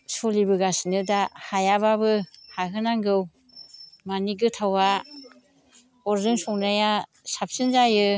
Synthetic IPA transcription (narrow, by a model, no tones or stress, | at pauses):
sɔlibɯɡasinɯdahajaβabɯhaɦɯnaŋɡɯw | maniɡɯtʰawa | ɔɾzɯŋsɔŋnaja | sap̚sɯnzajɯ